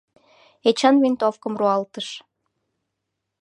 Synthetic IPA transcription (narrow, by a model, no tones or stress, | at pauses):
et͡ɕɑnβent̪ofkə̆mruɑlt̪əʃ